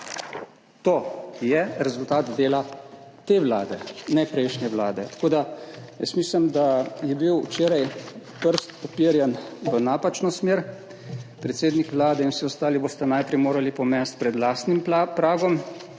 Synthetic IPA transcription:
t̪oːjɛɾɛzult̪aːt̪d̪eːlat̪eːʋla̰ːd̪ɛnɛpɾɛjʃnʲɛʋlaːd̪ɛt̪ḁkoːd̪ajə̰smiːsləmd̪ajɛbiwt͡ʃeːɾajpəɾst̪ɔpiːɾjɛnʋənaːpat͡ʃnɔsmeːɾ | pɾɛt̪seːd̪nikʋlaːd̪ɛinwsiɔst̪aːliboːst̪anajpɾɛjmoːɾalipɔmɛst̪̚pɾɛd̪laːst̪nimpɾaːɡɔm

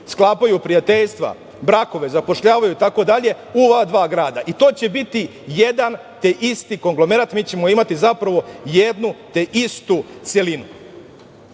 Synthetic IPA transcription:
sklˠaːpajupɾijat̪eʎst̪ʋa̰ | bɾako̞ʋe̞zapo̞ʃʎaːʋajut̪ako̞d̪aʎe̞ | uoʋad̪ʋaːɡɾaːd̪aʔit̪o̞ːt͡ɕe̞bit̪i | je̞d̪an | t̪e̞ʔist̪iko̞ŋɡlo̞me̞ɾat̪miːt͡ɕe̞mo̞imat̪izapɾaʋo̞jed̪nut̪e̞ʔist̪ut̪se̞linu

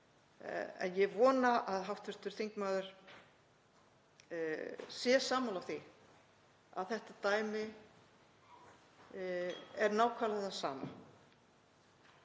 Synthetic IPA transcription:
ɛ̰njɛɣvɔːnaʔaðɦawft̪vʏɾ̥t̪ʏɾ̥θeŋkmaːðʏɾ̥ | sjɛsaːmawlawθi | a̰ðθɛht̪at̪aːjmɪ | ɛɾnaːwkʰvaːlaðasa̰ːma̰

